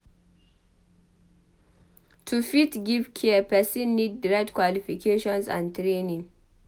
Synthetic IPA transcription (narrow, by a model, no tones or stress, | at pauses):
tʰufitɡivkʰɛəpɛsĩnːid̚ːɹɛtkwalifikʰeʃɔ̃nsã̰ntɾenĩŋ